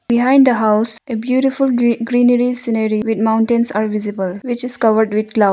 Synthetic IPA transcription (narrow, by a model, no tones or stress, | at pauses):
biɦãɪ̃ɳɖd̪əɦaʊsebjuːʈifulɡɾĩːnəɾisinəɾiʋɪd̪̚mãʊ̃ɳʈẽnsaːɾʋɪzibəlʋɪt͡ʃɪz̥kʌʋəɾɖʋɪd̪̚klʌ